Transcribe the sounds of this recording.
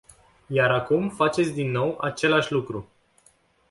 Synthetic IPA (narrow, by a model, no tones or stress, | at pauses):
jaɾakumfat͡ʃet̪sʲd̪inːo̞wat͡ʃe̞laʃʲlukɾu